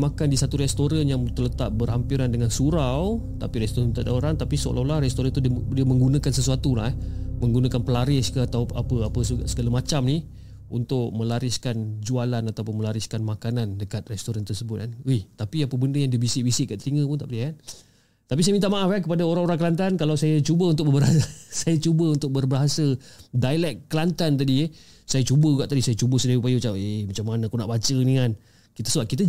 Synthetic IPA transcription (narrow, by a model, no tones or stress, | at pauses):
makandisat̪uɾɛst̪oɾanjaŋt̪ələt̪ap̚bərhampiɾandəŋansuɾaw | t̪apiɾɛst̪oɾant̪adaʔoɾaŋt̪apisəo̰lʔalahrɛst̪oɾant̪uddiəmə̃ŋɡunãkansəsuat̪ulahmə̃ŋɡunãkanpəlaɾɪskəat̪awapəapəssəɡalamat͡ʃamni | unt̪ʊk̚mə̃laɾɪskand͡ʒualanat̪awpʊnməlaɾɪskanmakanandəkat̪̚rɛst̪oɾant̪ərsəbʊt̪̚anuht̪apiapəbəndəjaŋdibisɪʔbisɪʔkaʔt̪əɾiŋə̃pʊnt̪a̰ʔpədiakan | t̪apis̬ajamint̪aʔmaafank̬əpadaoɾaŋoɾaŋkəlant̪ankalawsajat͡ʃubəunt̪ʊk̚bərbəɾɦasəsajat͡ʃubəunt̪ʊk̚bərbəɦasədalɛkːəlant̪ant̪adie | sajat͡ʃubəuɡaʔt̪adisajat͡ʃubəsədaiupajəbət͡ʃaʔemat͡ʃamːanaakunaʔbat͡ʃənian | kit̪əsuaʔ̚kit̪ə